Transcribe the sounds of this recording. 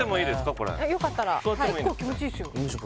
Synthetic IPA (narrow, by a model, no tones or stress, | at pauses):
emoiːd̪e̞sɨ̥kako̞ɾḛajo̞kat̪ːaɾasojataeimoikːoːkʲimo̞t͡ɕisoɕo